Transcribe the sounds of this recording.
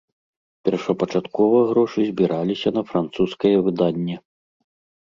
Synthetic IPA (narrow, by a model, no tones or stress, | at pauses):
pʲɛrʂɐpɐt͡ʂat̪kɔvɐɣɾɔʂɨzʲbʲiɾʔalʲisʲɐnɐfɾant̪suskɐjɛvɨd̪anʲːɛ